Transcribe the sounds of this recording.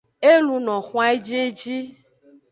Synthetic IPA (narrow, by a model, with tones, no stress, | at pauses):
e˦lu˧nɔ̃˨xũ˦a˦e˦d͡ʒe˦d͡ʒi˦